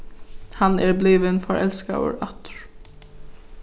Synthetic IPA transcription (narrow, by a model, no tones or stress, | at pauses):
hanɛɹbliːʋɪnfɔɹʔɛ̰lska̰wə̰ɹat̪ɹ̥